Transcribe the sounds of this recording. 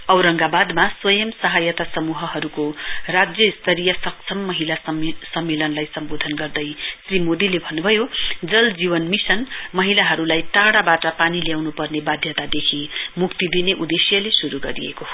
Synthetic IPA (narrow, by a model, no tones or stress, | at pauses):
ʌwɾʌŋɡabad̪maswʌjʌmsʌɦajʌt̪asʌmuɦʌɦʌɾukorad͡zjʌist̪ʰʌɾijʌsʌk̚t͡sʰʌmːʌɦilassʌmːelʌnlajsʌmbod̪ʱʌnɡʌrd̪ʌjsrimod̪ilebʱʌnːubʱʌjod͡zʌld͡ziβʌnmisʌnmʌɦilaɦʌɾulajʈaɽabaʈʌpaniljawnupʌrnebad̪ʱjʌt̪ad̪ekʰimukt̪id̪ineʔud̪esjʌlesuɾuɡʌɾḭjḛko